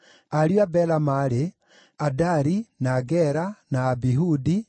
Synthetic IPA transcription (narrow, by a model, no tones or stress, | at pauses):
aɾjwabɛlamaɾe | adaɾinaːɡɛɾanaːbiɦudi